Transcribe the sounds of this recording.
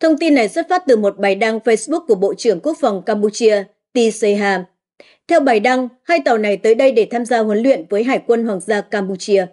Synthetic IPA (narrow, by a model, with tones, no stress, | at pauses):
t̪ʰə˧wŋ͡mt̪i˧nːa˨˩jsə˦˥t̚faː˦˥t̚t̪ɨ˨˩mo˨˩t̚ɓaː˨˩jɗa˧ŋfə˧jsɓu˦˥k̚ku˧˩əɓo̰˧˨t͡ɕɨ˧˩əŋku˦˥ək̚fa˨˩wŋ͡mkaː˧mpu˧t͡ɕi˧ə | t̪i˧sə˧jɦaː˧m | t̪ʰɛ˧wɓaː˨˩jɗa˧ŋhaː˧jt̪a˨˩wna˨˩jt̪əː˨˦jɗə˧jɗe˧˩t̪ʰaː˧mzaː˧hwə˨˦nlwḭ˧˨ənvəː˨˦jɦaː˧˩jkwə˧nhwaː˨˩ŋzaː˧kaː˧mpu˧t͡ɕi˧ə